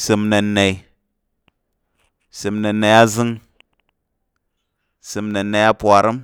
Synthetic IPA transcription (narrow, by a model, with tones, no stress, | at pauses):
si˨mna˨nːa˨i˨ | si˨mna˨nːa˨ja˦zi˦ŋ | si˨mna˨nːa˨ja˦pu˨a˨ɾi˦m